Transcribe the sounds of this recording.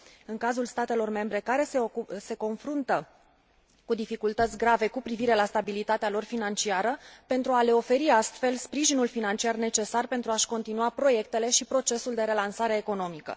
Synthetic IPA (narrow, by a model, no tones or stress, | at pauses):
ɨŋkazulst̪at̪e̞lo̞rme̞mbɾe̞kaɾe̞sese̞ko̞nfɾunt̪ə | kud̪ifikult̪ət̪sʲɡɾave̞kupɾiviɾe̞last̪abilit̪at̪ealo̞rfinant͡ʃiaɾəpe̞nt̪ɾuale̞o̞fe̞ɾiast̪fe̞lspɾiʒinulfinant͡ʃiarne̞t͡ʃe̞sarpe̞nt̪ɾuaʃko̞nt̪inuapɾo̞je̞k̚t̪e̞le̞ʃipɾo̞t͡ʃe̞suld̪e̞ɾe̞lansaɾe̞ːko̞no̞mikə̰